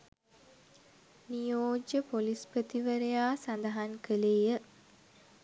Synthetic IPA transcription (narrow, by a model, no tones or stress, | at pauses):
nijoːd͡ʒəpolispət̪iʋəɾejaːsand̪əɦaŋkəleːjə